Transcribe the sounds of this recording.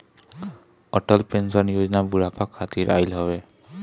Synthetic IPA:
ɔʈɔlpensɔnijozɔnabuɹapʰakʰːat̪iɹʔa̰jlɦɔβɛ

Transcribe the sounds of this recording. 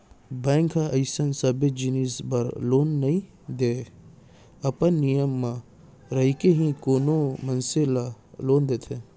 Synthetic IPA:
bɛ̃ːŋkʰaʔɐɪsənsɐbed͡ʒinisbɐɾloːnːɐɦĩ | d̪e | ɐpənːijəmːã | ɾɐɦikeɦĩkoːnomɐnsela | loːnd̪eːt̪ʰe

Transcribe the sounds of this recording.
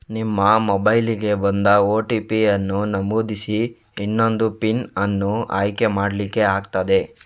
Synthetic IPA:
nimːɐmobɐjliɡe̞bɐnd̪ɐoːʈipiɐnːunɐmboːd̪isiː | nːo̞nd̪upinɐnːuʔa̰ːjkemaːɽlikːe̞aːɡt̪ɐd̪e̞

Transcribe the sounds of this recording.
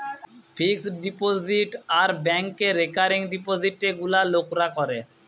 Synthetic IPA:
pʰiksɖipoziʈaɾbɛŋkeːekaɾiŋɖipoziʈeɡulalokɾakɔɾe

